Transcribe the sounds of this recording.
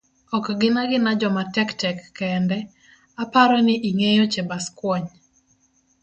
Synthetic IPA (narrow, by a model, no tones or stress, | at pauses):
ɔkɡɪnaɡɪnad͡ʒɔmatɛktɛkːɛndɛ | apaɾɔnɪʔiŋejot͡ʃebaskwɔɲ